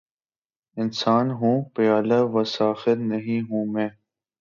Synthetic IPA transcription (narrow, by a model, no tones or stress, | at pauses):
ɪnsaːnɦũːpɪjaːləʋəsaːfɪɾnəɦĩːɦũːmẽː